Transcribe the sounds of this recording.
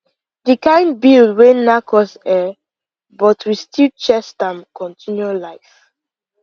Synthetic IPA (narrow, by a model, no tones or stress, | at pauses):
dikãɪ̃ndbilwenakʰɔsɛ | bɔtʰwistilt͡ʃɛstãmkʰɔ̃ntʰĩnjualaɪf